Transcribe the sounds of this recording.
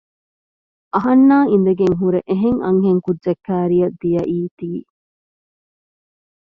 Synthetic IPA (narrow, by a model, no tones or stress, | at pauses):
ʔɐɦɐnːaːin̆d̪ɐɡeŋɦuɾeʔeɦeŋɐ̰ŋɦeŋkudd͡ʒɐkːæːɾijɐd̪ijɐʔiːt̪iː